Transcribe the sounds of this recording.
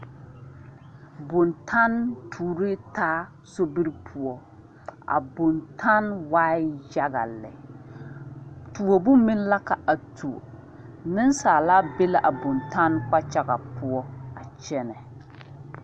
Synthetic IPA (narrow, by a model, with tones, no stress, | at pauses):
bʊ˨ntʰa˦ntʰuː˨ɾɪ˦taː˦ | so˦bi˦ɾpʰʊ˨ɔ˦ | ʔa̰˨bʊ˨ntʰa˦nwaː˦ɪ˦ja˦ɣa̰˨lɛ̰˨ | tu˨o˨bʊ˦mi˦n˦la˦ka˨a˨tʰu˨o̰˨ | nɪ˦nsaː˨la˦be˦la˦ʔa˨bʊ˨nta˦nk͡pa˦t͡ʃa˦ɣa˨pʊ˦ɔ˦a˨t͡ʃɛ˦nɛ˨